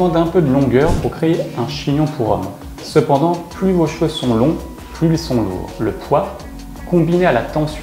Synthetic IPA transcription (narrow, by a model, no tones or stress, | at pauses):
ɑ̃d̪ɛ̃pød̪əlɔ̃ɡœːʁpuʁkχeːɛ̃ʃiɲɔ̃pʰuʁɔ̰m | səpɑ̃d̪ɑ̃plyvoʃøsɔ̃lɔ̃ | plyilsɔ̃lṵːʁləpwa | kɔ̃binealat̪ɑ̃s